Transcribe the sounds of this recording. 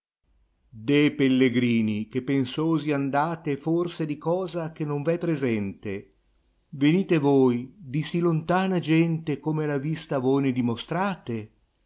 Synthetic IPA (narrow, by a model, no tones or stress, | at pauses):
d̪epelːeɡɾiːnik̟epːensoːziand̪aːt̪eforsed̪ikɔːzak̟enoɱvɛpːɾezɛnt̪e | veniːt̪evoːjd̪isilont̪aːnad͡ʒɛnt̪ekomelavist̪avojned̪imost̪ɾaːt̪e